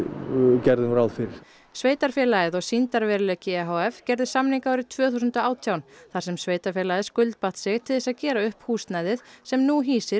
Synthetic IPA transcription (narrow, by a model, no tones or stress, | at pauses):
cɛɾðɪmɾawðfɪɾɪɾ̥ | sveːjt̪aɾ̥fjɛːlajɪðɔɣsint̪aɾvɛɾlœcɪɛɦowɛfcɛɾðɪsamniŋkaawɾɪt̪ʰvœːθusʏnt̪ɔaːwt̪ʰjawnθḁsɛmsveːjt̪aɾ̥fjɛːlajðɪskʏlt̪̚paht̪sɪɣt̪ʰɪlðɪsaðcɛːɾaʏhphuːst̪najðɪðsɛmnuɦiːsɪɾ